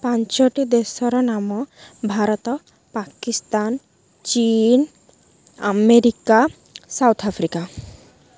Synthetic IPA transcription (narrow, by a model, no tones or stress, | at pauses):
paɲt͡ʃɔʈid̪esɔɾɔnamɔbʱaɾɔt̪ɔ | pakist̪an | t͡ʃin | a̰meɾika | sawt̪ʰapʰɾika